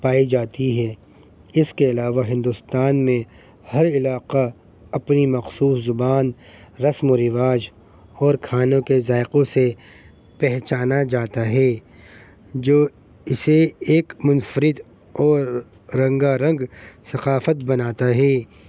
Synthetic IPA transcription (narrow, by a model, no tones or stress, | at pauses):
paːid͡ʒaːt̪iɦɛː | ɪskeɐlaːʋaɦɪ̃nd̪ʊst̪aːnmẽ | hɐɾɪlaːqa | ɐpnimɐxsuːszʊbaːnɾɐsmoɾɪʋaːd͡ʒ | ɔːɾkʰaːnõkezaːɪqõse | pɛɦt͡ʃaːnad͡ʒaːt̪aɦɛː | d͡ʒoː | ɪseeːkmʊnfəɾɪd̪ | ɔːɾː | ɐ̃ŋɡaɾɐ̃ŋɡsɐqaːfət̪bɐnaːt̪aɦɛː